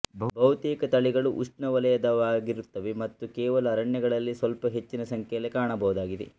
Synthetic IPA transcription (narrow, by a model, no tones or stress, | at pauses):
bʱɐʋt̪iːkɐt̪ɐɭiɡɐɭuʔusʈnɐʋɐlɐjɐd̪ɐʋaːɡiɾut̪ːɐʋemɐt̪ːukeːʋɐlɐːɾɐɳjɐɡɐɭɐlːisʋɐlpɐɦe̞t͡ʃːinɐsɐŋkʰɛjlekaːɳɐbɐɦud̪aːɡid̪ḛ